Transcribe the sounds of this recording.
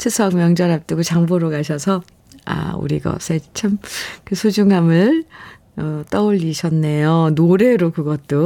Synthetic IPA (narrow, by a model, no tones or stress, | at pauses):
t͡ɕʰɯsʰʌk̚mjʌŋd͡ʑʌɾap̚t͈ɯɡot͡ɕaŋboɾokaɕʰʌsʰʌ | a̰ṵɾiɡʌ̰sʰet͡ɕʰamkɯsʰod͡ʑuŋamɯɭ | ʌt͈ʌoʎːiɕʰʌnːe̞jonoɾe̞ɾokɯɡʌt̚t͈o